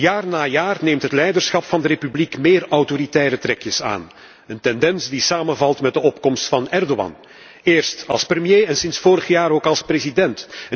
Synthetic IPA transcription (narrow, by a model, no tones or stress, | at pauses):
jaːrnaːjaːrneːmtɦətlɛjdərsxɑpfɑndəɾeːpyblikmeːrɑwtoɾitɛːɾətrɛkjəsa̰ːn | əntɛndɛnsdisaːmənvɑlˠtmɛd̚əɔpkɔmstfɑnɛrdowɑ̰n | eːrstɑ̰lˠsprəmjeːɛnsɪnsfoːɾəɣjaːɾoːkɑlˠsprezidɛnt